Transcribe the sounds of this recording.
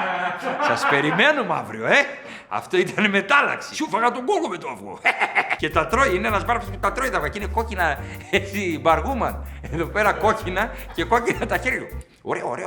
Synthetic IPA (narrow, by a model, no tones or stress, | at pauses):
sɐspe̞ɾime̞numɐ̰vɾio̞e̞ | ɐ̰ft̪o̞it̪ɐneme̞t̪ɐlɐ̰ksi̥sufɐɣɐt̪oŋɡolɣome̞t̪oɐvɣo̰ce̞t̪ɐt̪ɾoiineenɐzmɐɾsput̪ɐt̪ɾo̞it̪ɐvɣacineko̞cinɐesibɐɾɣumɐneðo̞pe̞ɾɐko̞cinɐce̞ko̞cinɐt̪ɐçeɾʝu | o̰ɾeoɾe̞o